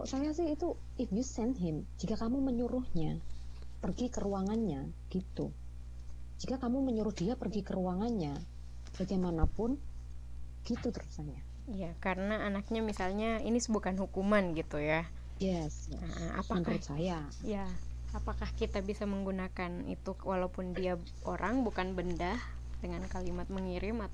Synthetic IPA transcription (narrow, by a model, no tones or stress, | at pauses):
ɔ̰sajas̬ɪhit̪u | ɪfjusɛnt̪ɦɪmd͡ʒikakamuməɲuɾʊhɲa | pərɡikəɾuaŋanɲa | ɡ̥it̪ṵ | d͡ʒikakamuməɲuɾʊhd̥iapərɡikəɾuaŋanɲa | b̥aɡajmanapʊn | ɡ̥it̪ut̪əɾusaja | ijakaɾənaːnak̚ɲamisalɲaḭnisəbukanɦukumanɡit̪uja | jɛsjaaʔa̰a̰pakəɾsaja | jaː | pakahkit̪abisaməŋɡunakanḭt̪uwalawpʊndia | oɾʔaŋbukanbəndah | d̥əŋankalimat̪̚məŋiɾɪmat̪